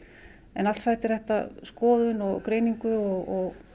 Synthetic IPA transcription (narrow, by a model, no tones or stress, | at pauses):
ɛnalsaːjt̪ɪɾ̥θɛht̪a̰skɔːðʏnɔɣkɾeːjniŋkʏɔɣɔɣ